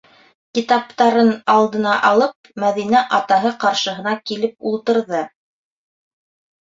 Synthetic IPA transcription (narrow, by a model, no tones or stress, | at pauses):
kit̪ɑpt̪ɑɾɤnɑlˠd̪ɤ̆nɑʔɑlˠɤp̚mæðinæʔɑt̪ɑɦɤqɑɾʃɤ̆ɦɤ̆nɑkilɘp̚ulˠt̪ɤ̆ɾðɤ